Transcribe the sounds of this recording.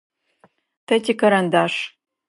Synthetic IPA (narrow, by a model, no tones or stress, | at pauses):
t̪ʰɐtʲikɐɾɐnd̪aʂ